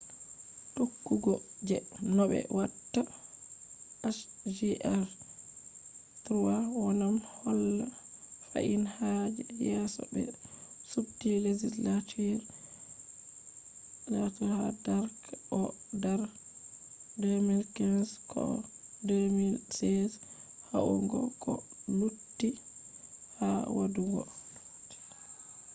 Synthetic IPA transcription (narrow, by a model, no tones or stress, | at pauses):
ɗokːuɡɔd͡ʒɛnɔɓɛ̰watːa | aʃ | d͡ʒiʔɛɾ | tɾuwawanamhɔlːafa̰ʔinhad͡ʒɛjɛsɔ̰bɛ̰subtiled͡ʒislatʰiɾ | latɔhadaɾkʔɔdaɾ | demilkɛnskʰɔ̰demilsɛs | ha̰ʔṵŋɡɔ̰kɔlutːi | hawa̰duɡɔ̰